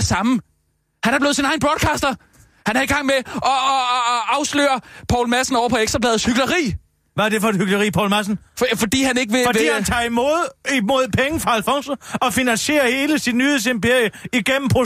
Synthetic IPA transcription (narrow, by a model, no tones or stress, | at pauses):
sɑ̈mə | hænæɑb̥le̝ːð̩ˠs̬inɑ̈ɪnb̥ʁɒd̥kʰɑ̈ːsd̥ɐ | hænhæiɡ̥ɑ̈ŋ̰meɒ̽ːɑ̈ʊslø̰ːɐpʰɒʊlmæsn̩ɒʊɐpʰɒ̽eɡ̥sʁɐblɛːð̩ˠshyɡ̥lɐʁḭː | ʋææd̥e̝fɒ̽edhyɡ̥ləʁḭːpʰɒ̰ʊlmæs̬n̩fɒ̽d̥ḭːhæne̝ɡ̥ʋe̝fɒddḭːhænt͡sʰɑ̈ːimoð̰ˠimo̝ð̞̰ˠpʰeŋəfʁɑ̈ælfɒ̽ŋsoɒ̽finænse̝̰ːɐhe̝ːləsid̥nyːhesempe̝ɐ̰jəiɡ̥en̰m̩pʰʁo